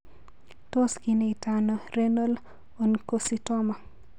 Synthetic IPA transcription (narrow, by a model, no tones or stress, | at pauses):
toskineitanɔrenol | onkositɔma